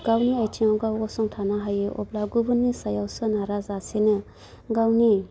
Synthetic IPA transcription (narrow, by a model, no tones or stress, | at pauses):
ɡ̥awniajtʰiŋɔɡawɔsɔŋtʰanaɦajeʔɔ̰blaɡubɯnːisajawsɯnaɾazasenɯ | ɡawni